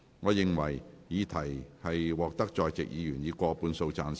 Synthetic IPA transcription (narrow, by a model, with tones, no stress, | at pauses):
ŋɔː˨˧jɪ˨ŋwɐ̰˨˩jjiː˨˧t̪ʰɐ˨˩jhɐ˨jwɔː˨k̚t̪ɐ˥k̚t͡ʃɔː˨jt͡sɪ̰˨k̚jiː˨˧jyː˨˩njiː˨˧kʷɔː˧puː˨˧nso˧wt͡saː˧n